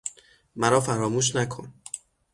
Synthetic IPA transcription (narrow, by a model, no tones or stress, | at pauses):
mæɾɒːfæɾɒːmuːʃ̬nækʰo̰n